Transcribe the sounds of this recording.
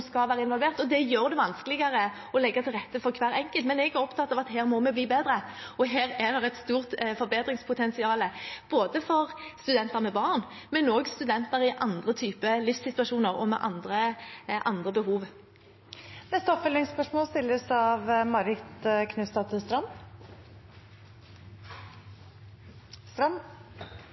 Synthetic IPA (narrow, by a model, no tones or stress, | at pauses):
skɑʋæːʁəɪnʋɔlʋeːʁt̪ɔd̪ɛjøːɾd̪ɛʋɑnskəlɪɡɑɾə | ɔlɛɡːət̪ʰɪlʁɛt̪ːəfɔʁkʰʋæːɾɛŋkəlt̪mɛnɛɡæɾɔpt̪ʰɑt̪ːɑʋɑt̪heːɾmɔmɛbliːbeːd̪ɾəɔɦeːɾɛd̪ɛʁɛt̪st̪uːʁt̪fɔɾbeːd̪ɾɪŋspʰʊt̪ʰɛnsɪɑːləb̥oːd̪əfɔʁst̪ʉd̪ɛnt̪əɾmɛbɑːʁn | mɛnoːɡst̪ʉd̪ɛnt̪əɾɪʔɑnd̪ʁət̪ʰyːpəlɪfsɪt̪ʉɑʃuːnəɾɔmɛ̰ʔɑ̰nd̪ɾəʔɑnd̪ʁəbəhuːʋ | nɛst̪əɔpfœlnɪŋspœʂmoːlst̪ɪlːəsɑʋmɑɾɪt̪kʰnʉst̪ɑt̪st̪ɾɑm | st̪ɾɑmː